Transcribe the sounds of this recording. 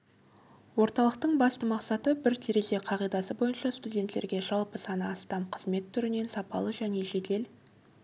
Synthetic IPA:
wo̞ɾt̪ɑlˠəq̚t̪əɴbɑst̪əmɑqsɑt̪əbɪɾt̪ʰeɾe̞ze̞qʰɑʁijd̪ɑsəbo̞jənʃɑst̪udʲe̞nt̪le̞ɾɡʲe̞ʒɑlˠpəsɑnəɑst̪ɑmqʰəzme̞t̪ʰːʏɾɪne̞nsɑpɑ̰lˠəʒæne̞ʒe̞d̪e̞l

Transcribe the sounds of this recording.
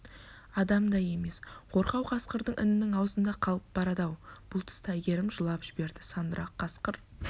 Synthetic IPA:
ɑd̪ɑmd̪ɑje̞me̞sqʰo̞ɾqɑwqʰɑsqəɾd̪əɴʔɪ̰nɪnɪŋɑwzənd̪ɑqʰɑlˠəp̚bɑɾɑd̪ɑwb̥ʊlˠt̪ʰʏ̥st̪æjɡʲe̞ɾɪmʒəlˠɑpʒ̥ɪbe̞ɾd̪ɪsɑnd̪əɾʔɑqʰːɑsqəɾ

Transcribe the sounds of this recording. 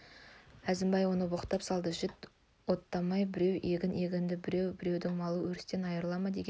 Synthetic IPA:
æzɪmbɑjwo̞nəboqə̥t̪ːɑpsɑlˠd̪əʒɪt̪ | wo̞t̪ːɑmɑjbɪɾe̞we̞ɡʲɪne̞ɡʲɪnd̪ɪbɪɾewbɪɾe̞wd̪ɪŋmɑlˠəwɵɾɪst̪e̞nɑjəɾlˠɑmɑd̪e̞ɡʲe

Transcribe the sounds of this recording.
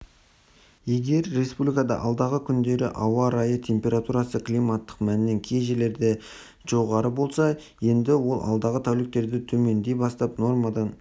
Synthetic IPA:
je̞ɡʲe̞ɾːe̞spublijkɑd̪ɑ̰ʔɑlˠd̪ɑʁəkʲʰʏnd̪e̞ɾɪʔɑwɑɾɑjət̪ʲʰe̞mpʲe̞ɾat̪uɾɑsəklijmɑt̪ːə̥qmænneŋkʲʰejʒele̞ɾd̪e̞ | ʒ̥o̞ʁɑɾəbo̞lˠsɑ | je̞nd̪ɪwo̞lˠɑ̰lˠd̪ɑʁət̪ʰæwlɪk̚t̪e̞ɾd̪ɪt̪ʰɵme̞nd̪e̞jbɑst̪ɑpno̞rmɑd̪ɑn

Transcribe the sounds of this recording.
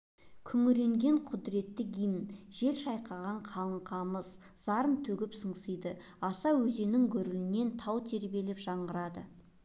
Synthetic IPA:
kʲʰʏŋʏɾe̞ŋɡʲe̞ɴqʰʊd̪ɾe̞t̪ːɪɡʲijmʒ̥e̞lʃɑjqʰɑʁɑɴqʰɑlˠəɴqʰɑməz | z̥ɑɾənt̪ʰɵɡʲɪpsəɴsəjd̪ə | ɑsɑwɵze̞nɪŋkʲʰɵɾɪlɪne̞nt̪ʰɑwt̪ʰe̞ɾbie̞lepʒɑɴʁəɾɑd̪ə

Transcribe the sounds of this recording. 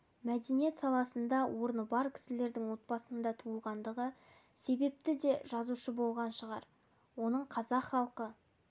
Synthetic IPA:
mæd̪e̞nije̞t̪sɑlˠɑsənd̪ɑwʔo̞ɾnəbɑɾkʲʰɪ̥sɪle̞ɾd̪ɪŋwo̞t̪̚bɑsənd̪ɑt̪ʰuəlˠʁɑnd̪əʁə | se̞be̞p̚t̪ɪd̪e̞ʒ̥ɑzuʃəbo̞lˠʁɑnʃəʁɑɾ | wo̞nəɴqʰɑzɑqχɑlˠqə

